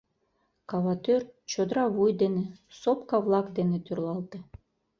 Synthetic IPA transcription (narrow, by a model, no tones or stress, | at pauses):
kɑβɑt̪ørt͡ɕod̪ɾɑβujd̪enesopkɑvlˠɑkd̪enet̪yrlˠɑlˠt̪ĕ